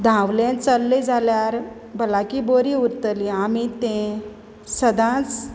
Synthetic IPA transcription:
d̪ʱãʋlẽt͡səlːed͡zʱaljaɾ | bəlakiboɾiuɾt̪əliamit̪ẽ | səd̪ʱãt͡s

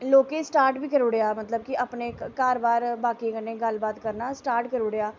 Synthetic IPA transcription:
loːkeːsʈaːɾʈbiːkəɾoːɽejaːmət̪ləb̚kɪʔapneːkaːɾbaːɾbaːkiːkənːeːɡəlbaːt̪kəɾnaːsʈaːɾʈkəɾoːɽejaː

